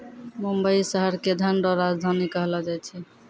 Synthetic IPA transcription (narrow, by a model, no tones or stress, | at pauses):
mumbəisəɦəɾked̪ʱanɾɔɾad͡zd̪ʱanikɔɦlɔd͡ʒajt͡ʃʰɛ